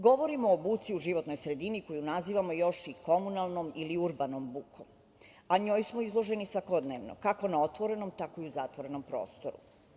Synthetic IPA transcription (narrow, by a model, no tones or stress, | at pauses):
ɡo̞ʋo̞ɾimoːbuːt̪siuʒiʋo̞t̪no̞jsɾe̞d̪iniko̞junaziːʋamo̞jo̞ʃiko̞munalˠno̞miliuɾbanombukom | aɲo̞ːjsmoizlˠoʒenisʋako̞d̪neʋno̰kako̞nao̞t̪ʋo̞ɾe̞nomt̪akoiuzat̪ʋo̞ɾe̞no̞mpɾo̞̰ːst̪oɾṵ